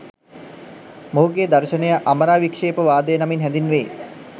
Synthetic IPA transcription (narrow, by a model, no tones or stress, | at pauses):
moɦuɡeːd̪ɐrʃənəjəʔaməɾaːʋikʂeːpəʋaːd̪əjənaminɦænd̪inʋeː